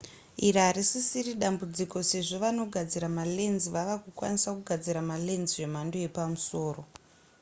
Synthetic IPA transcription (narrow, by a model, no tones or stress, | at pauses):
iraɾisisiriɗambud͡ziko̞se̞ʐo̞ʋano̞ɡʱad͡ziɾamale̞nziʋaʋakukwa̰nisakuɡʱad͡ziɾamale̞nzije̞m̤andoje̞pamuso̞ːro̞